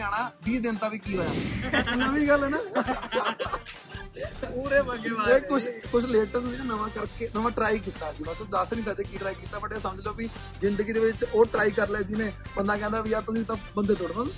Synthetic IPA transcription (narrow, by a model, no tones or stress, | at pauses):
aːɽ̃ãːbiːd̪ɪnt̪aːʋiːkiːɦəːja̰ːnaːʋĩːɡəlɛːnãː | ɾeeːkʊt͡ʃʰkʊt͡ʃʰleːʈəsinəʋãːkəɾkeːnəʋãːʈɾaːik̬iːt̪aːsiːbəsud̪əsnĩːsad̪eːkiːʈɾaːikiːt̪aːbəɖesəməd͡ʒloːpiː | zɪnd̪əɡiːd̪eːʋɪt͡ʃoːʈɾaːiːkəɾleːd͡ʒinẽːbənd̪aːkɛ̃ːnd̪aːʋiːat̪niːt̪ãːbənd̪eːt̪̬oɽnə̃n